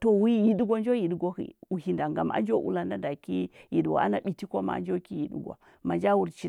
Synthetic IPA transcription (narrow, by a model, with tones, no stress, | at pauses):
to˨wi˦ji˨du˦ɡʷa˦nd͡ʒo˦ji˨dɡʷo˦hḭ˨u˨hi˨nda˨ŋɡa˨ma̰˦nd͡ʒo˦ʔṵ˦la˨nda˦da˨ki˦ji˨dɡa̰˨a̰˦na˨ɓi˨ti˦ko˦ma̰˨a̰˨nd͡ʒo˦ki˦ji˨dṵ˦ɡʷa̰˨ | ma˨nd͡ʒa˦wu˨ɾt͡ʃi˦